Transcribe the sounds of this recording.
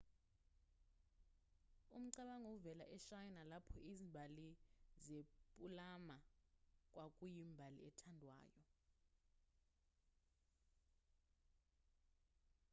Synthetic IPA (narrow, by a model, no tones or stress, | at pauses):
um̩ǀaɓaŋovɛlaʔɛʃajnalapʰɔizimbʱalizepʼulamak̬ʼwakʼujimbʱalḭɛtʰandʱwa̰ːjɔ